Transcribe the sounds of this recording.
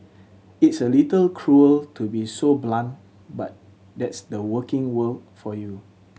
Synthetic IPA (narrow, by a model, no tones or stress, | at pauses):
itsəlitəlkʰɹuəltʰubisoblãnt | bat̚ | dɛtsdəwəkɪ̃ŋwəldfɔju